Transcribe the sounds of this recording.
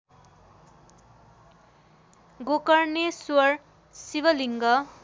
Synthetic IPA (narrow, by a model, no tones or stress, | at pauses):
ɡokʌrnesuʌr | siβʌliŋɡʌ